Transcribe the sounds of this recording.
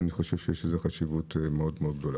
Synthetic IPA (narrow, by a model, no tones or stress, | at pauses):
niχo̞ʃevʃejeʃezeχaʃivutemeo̞d̪meo̞d̪ɡd̪ola